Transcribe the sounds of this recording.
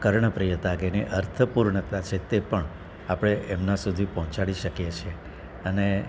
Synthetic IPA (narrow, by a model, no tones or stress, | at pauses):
kəɾɳəpɾijət̪aɡeniʔəɾt̪ʰəpuɾɳət̪at͡ʃʰet̪epəɳ | apɽ̃eʔɛmnasud̪ʱipɔɦɔ̃t͡ʃaɽiʃəkjet͡ʃʰe | əne